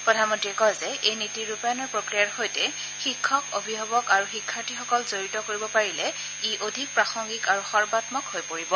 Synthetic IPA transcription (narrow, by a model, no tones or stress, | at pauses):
pɹɔdʱanmɔntɹiɛkɔjzɛʔejnitiɹupajɔnɔɹpɹokɹijaɹxojtɛ | xikʰːɔkobʱibʱɔbɔkaɹuxikʰːaɹtixɔkɔlzoɹitɔkoɹibɔpaɹilɛ | iʔodʱik̚pɹaxɔŋɡikaɹuxɔɹbatmɔkhojpoɹibɔ